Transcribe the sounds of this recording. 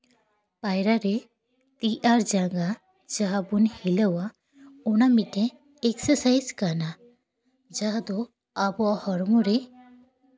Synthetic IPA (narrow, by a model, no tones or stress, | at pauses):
pajɾaɾe | t̪iʔaɾd͡ʒaɡa | d͡ʒaɦabunhiləwa | ɔñamiʈe | eksəɾsajzkana | d͡ʒaɦd̪ɔ | abɔhɔɾmɔɾe